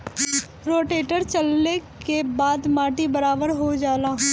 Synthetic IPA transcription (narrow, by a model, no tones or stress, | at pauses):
ɾoːʈeːʈəɾt͡ʃəlːekebaːd̪maːʈibəɾaːbəɾɦod͡ʒaːlaːɦ